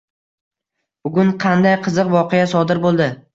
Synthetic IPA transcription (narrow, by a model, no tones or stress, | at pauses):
b̥ʊɡʲʊɴqʰɑnd̪ajqʰɨzɨqvɒqʰejasɒd̪ɪɾbolˠd̪ɪ